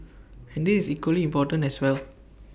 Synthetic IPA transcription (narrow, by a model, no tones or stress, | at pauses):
ɛ̃ndisisikwəliĩmpɔtə̃nɛswɛl